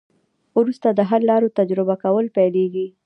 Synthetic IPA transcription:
uɾust̪ad̪əɦaɾlɑɾot̪ad͡ʒɾɪbakawəlpɛjleɡi

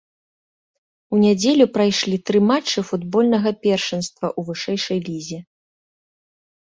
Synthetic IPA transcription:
unʲad͡zʲelʲupɾajʂlʲit̪ɾɨmat͡ʂːɨfud̪bɔlʲnɐɣɐpʲɛrʂɨnst̪vɐʔuvɨʂɛjʂɐjlʲizʲi

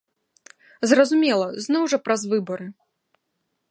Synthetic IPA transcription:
zrɐzumʲɛlˠɐznɔwʐɐpɾɐzvɨbɐɾɨ

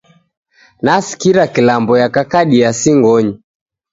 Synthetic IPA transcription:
nasi̥kiɾakilambɔjakakaɗiasiŋɡɔɲi

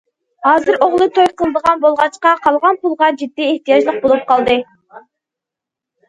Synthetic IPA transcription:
hɑːzɨɾoʁlˠɨt̪ʰojqʰəlˠɨd̪əʁɑnbolˠʁɑt͡ʃqɑqʰɑlˠʁɑnpulˠʁɑd͡ʒid̪ːieht̪ijɑʒlˠəq̚bolˠup̚qʰɑlˠd̪ɨ

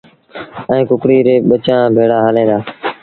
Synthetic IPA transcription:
ɛ̃ːkʊkɽiːɾeːɓət͡ʃãːbʱeːɽaːɦəlẽːd̪aː

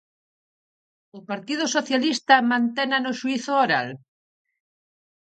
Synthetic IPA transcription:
ʊpaɾt̪ið̞ʊsoθjalist̪amãnt̪enanʊʃuiθʊoɾa̰l

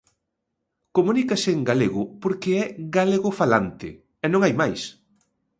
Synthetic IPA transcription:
komũnikasɪŋɡaleɣʊpoɾkɪɛɣaleɣʊfalant̪ɪ̰ | ɛnõŋajmajs

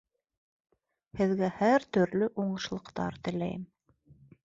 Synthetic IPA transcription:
hɘ̆ðɡæhæɾt̪ɵ̆ɾlɵʔuɴɤ̆ʃlˠɤ̆qt̪ɑ̰ɾt̪ɘ̆læ̰jɘm

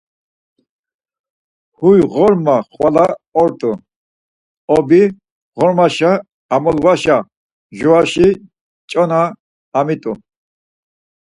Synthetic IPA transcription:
hujʁɔɾmaχwalaɔɾt̪ʼu | ɔbi | ʁɔɾmaʃaː | mɔlvaʃa | ʒuaʃi | t͡ʃʼɔnaː | mit̪ʼu

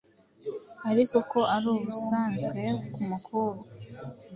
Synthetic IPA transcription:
aɾiko̞ko̞ʔaɾoːβusaːnzɡe̞kumukʰuɾo

